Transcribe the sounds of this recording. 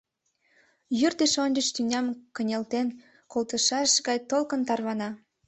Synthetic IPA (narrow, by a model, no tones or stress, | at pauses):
jyrt̪eʃond͡ʒəʃt̪ynʲɑmkənʲelt̪en | kolt̪əʃɑʃɡɑjt̪olkənt̪ɑrβɑnɑ